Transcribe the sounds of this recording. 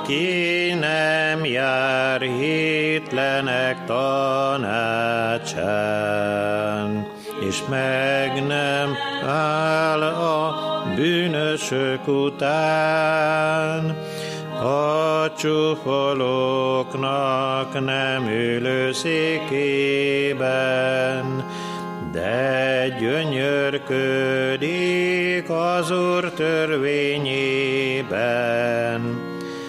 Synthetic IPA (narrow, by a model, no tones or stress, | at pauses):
kinɛmjaːɾɦit̪lɛnɛkt̪ɒnat͡ʃaː | n | ḛːʃmɛɡnɛmaːlɒbyːnøʃøkut̪aː | n | hɒt͡ʃufoloknɒknɛmyːløːseːkeːbɛn | d̪ɛɟøɲørkød̪ikɒzuːrt̪ørveːɲeːbɛ | n